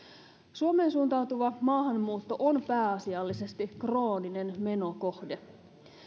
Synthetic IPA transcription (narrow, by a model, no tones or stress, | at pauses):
suome̞ːnsuːnt̪ɑwt̪uʋɑmɑːɦɑmːuːt̪ːo̞ʔonpæːɑsiɑlːise̞st̪ikro̞ːnine̞nme̞noko̞hde